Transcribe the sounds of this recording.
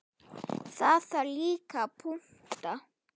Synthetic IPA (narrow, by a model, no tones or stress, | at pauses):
sasalikapʰʊŋt̪a